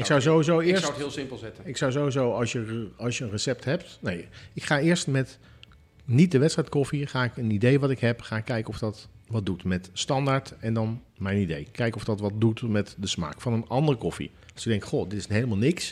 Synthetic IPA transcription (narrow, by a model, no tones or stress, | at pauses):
ɪksawzowizowɪːɹswtɦɪːlˠsɪmplˠzɛtəɪksɑwzowizowɑlˠsjəɑlˠsjəənrəsɛp̚tɦɛptnejɪkχaːɪːɹstmɛt | nit̚dəʋɛtstrɛjt̚kɔfiχaːɪkənidejʋɑtɪkɦɛpχaːɪkːɛjkəɔfdɑtʋɑt̚dutmɛtstɑndaːɹtɛndɑn | mɛjnidejkɛjkɔfdɑtʋɑt̚dutmɛtdəsma̰ːkfɑnənɑndərkɔfḭ | ɑlˠsɪɡ̚dɛŋktχodɪtɪ̥sɦejləmaːlˠnɪks